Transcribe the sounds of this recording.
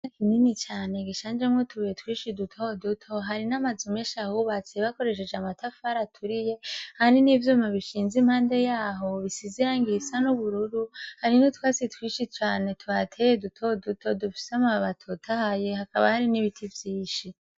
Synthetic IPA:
nakʰininit͡ʃaːne̞ɡiʃaːnd͡ʒemŋotʰuβetwiːʃidutʰo̞dutʰo̞ɦaɾinamazumeʃahuβat͡siβako̞ɾe̞ʃ̬e̞d͡ʒeamatafaɾatʰuɾije̞haninivjoːmaβiʃiːnzim̥haːnde̞jaːɦo̞βisizijaŋɡisanuβuɾuɾuhaɾinotwaːsitwiːʃit͡ʃaːne̞tʰuatʰe̞jedutʰo̞dutʰo̞dufi̥seamaβatʰotʰahaje̞hakaβa̰haɾiniβitʰivjiːʃi

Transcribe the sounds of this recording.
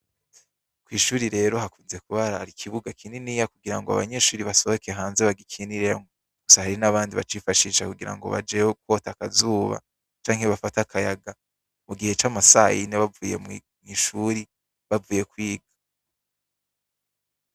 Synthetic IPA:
kwiːʃuːɾiɾe̞ːɾo̞ɦakuːnze̞kuβaɾaaɾikʰiβuɡakʰininijakuɡiɾaŋɡoa̰βa̰ɲe̞ʃuːɾiβaso̞βo̞keɦaːnze̞βaɡikʰiniɾeŋo | ɡ̥usahaɾinaβaːndiβa̰t͡ʃifaʃiːʃakuɡiɾa̰ŋɡo̞̰βa̰d͡ʒeok̚wo̞ːtakazuːβa̰ | t͡ʃaːŋheβafatakʰajaɡa | muɡihe̞t͡ʃamasajineβavuːje̞̰m | mŋiʃuːɾi | βavuːje̞kwiːɡḁ

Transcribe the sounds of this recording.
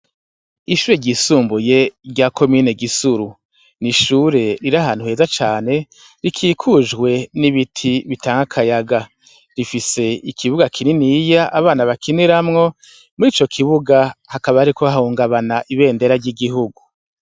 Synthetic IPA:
iʃuːɾeɾɟisuːmbuje̞ɾɟakʰo̞miːne̞ɡisuɾu | niʃuɾe̞ɾiɾaɦaːn̥huheːzat͡ʃaːne̞ | ɾikʰiːkʰud͡ʒɡwe̞niβitʰiβitaːŋɡakʰajaɡa | ɾifise̞ikʰiβuɡakʰininijaʔaβaːnaβakiniɾamŋo̞ | muɾiːt͡ʃo̞kʰiβuɡahakaβaːɾikoahuːŋɡaβanaʔiβe̞ːnde̞ɾaɾɟiɡiɦuɡu

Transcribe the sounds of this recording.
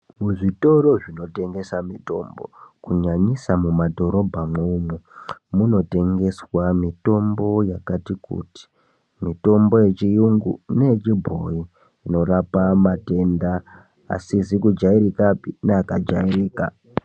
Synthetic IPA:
muʐito̞ɾo̞ʐino̞te̞ŋɡe̞samito̞mbo̞̰kuɲaɲisamumadʱo̞ɾo̞bʱamumumuno̞te̞ŋɡe̞swamito̞mbo̞jakatikṵti̥ | mito̞mbo̞je̞t͡ʃijuŋɡṵneet͡ʃibʱoiː | no̞rapamate̞nda | a̰sisikud͡ʒaiɾikapinaakad͡ʒairiːka̰

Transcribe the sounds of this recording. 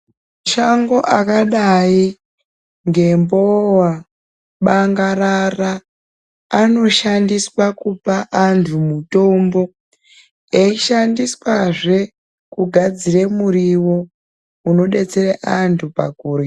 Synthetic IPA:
mmaʃaŋɡo̞ʔakaɗai | ŋɡe̞mbowa | ɓaŋɡaɾaraː | no̞ʃandiswakupaʔantʰumuto̞mbo̞ | eiʃandiswaʐe̞ | kuɡʱad͡ziremuɾiwo̞ | uno̞ɗe̞t͡se̞reʔantʰupa̰kuːɾe

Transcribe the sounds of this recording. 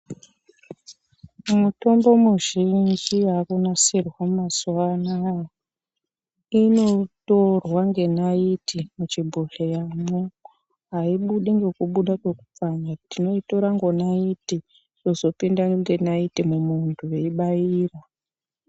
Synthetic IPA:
muto̞mbo̞muʒind͡ʒiakunasirwammasuana | ino̞torwaŋɡe̞naitʰimut͡ʃibʱoɬejamu | ɦaiɓuɗeŋɡe̞kuɓuɗake̞ku̥p͡faɲatino̞ito̞ɾaŋɡo̞naiti | to̞zo̞pindaŋɡe̞naitimumuntʰuje̞iɓaiːra

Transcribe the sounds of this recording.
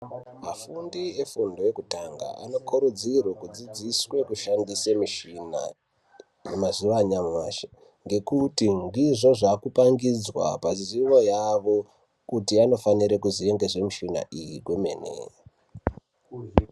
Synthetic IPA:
mafundiefundo̞je̞kutaŋɡa̰a̰no̞kʰuɾud͡zirwekud͡zid͡ziswe̞kuʃandisemiʃina̰ | jemaziʋaɲamumaʃe̥ | ŋɡe̞kutiŋdiʐo̞ʐakupaŋɡid͡zwa̰paziʋo̞jaʋo̞ | kutiano̞faniɾekuzije̞ŋɡe̞ze̞miʃina̰ʔijikwemḛnḛ

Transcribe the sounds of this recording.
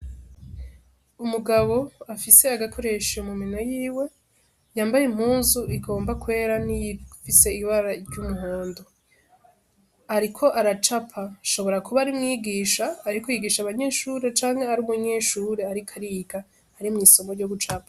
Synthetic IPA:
umuɡaβo̞afise̞aɡakʰo̞ɾe̞ʃomumino̞jiːwe̞ | jaːmbajem̥huːnzuʔiɡo̞ːmbakwe̞ːɾanifise̞iβaɾaiɾɟumuɦoːndo | aɾikʰo̞ʔaɾat͡ʃapʰaʃo̞βo̞ɾakuβaɾimŋiːɡiːʃaːɾikojiɡiːʃaβaɲe̞ːʃuːɾe̞t͡ʃaːŋhe̞aɾumuɲe̞ʃuɾeaɾikʰaɾiɡa | haɾimŋiːso̞moɾɟoɡut͡ʃapḁ

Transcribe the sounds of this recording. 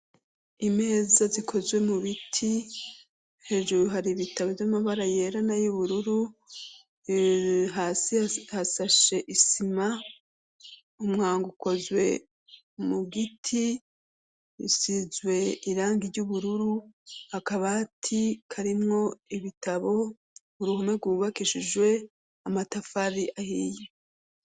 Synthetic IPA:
ime̞ːzazikʰo̞zwe̞muβitʰi | he̞ːʒuɾuɦaɾiβitaβovjamaβaɾaje̞ːɾanajuβuɾuɾu | ɦaːsihasaʃe̞ʔisima | umŋaːŋɡuko̞zwe̞ | muɡitʰi | ḭsizwe̞iɾaːŋɡiɾɟuβuɾuɾuhakaβatʰikʰaɾimŋo̞iβitaβo̞ | uɾuhumeɾɡwuβakiʃiʒwe̞ | amatafaɾiʔahiːje

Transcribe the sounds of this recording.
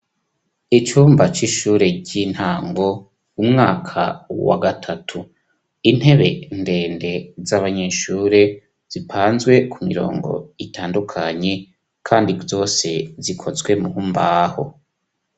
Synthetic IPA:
it͡ʃuːmbat͡ʃiʃuːɾe̞ɟin̥haːŋɡo̞ | umŋaːkʰa̰wa̰ɡatʰatʰu | in̥he̞βe̞nde̞ːnde̞zaβaɲe̞ːʃuːɾe̞ | z̥ipʰaːnzɡwe̞kʰumiɾo̞̰ːŋɡo̞̰itʰaːndukʰaɲe̞ | kʰaːndizo̞ːse̞zikʰo̞zɡwe̞muhumbaho̞̰

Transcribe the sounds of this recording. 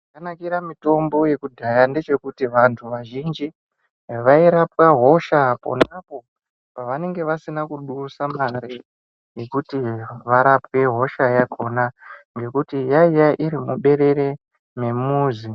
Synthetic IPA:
akanakiɾamito̞mbo̞je̞kudʱajande̞t͡ʃe̞kutiʋantʰuʋaʒind͡ʒi | ʋaiɾapwaɦo̞ʃapo̞̰napo̞ | paʋane̞ŋɡe̞ʋasinakuɗusamaɾi | je̞kutiʋaɾapwe̞ɦo̞ʃajakʰo̞naŋɡe̞kutijaijaʔiɾimuɓe̞ɾe̞ɾe̞ | me̞muːzi

